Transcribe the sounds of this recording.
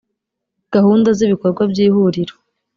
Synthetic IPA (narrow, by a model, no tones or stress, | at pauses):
ɡ̥ahuːndaziβiko̞ɾɡwabjiːhuɾiɾo̥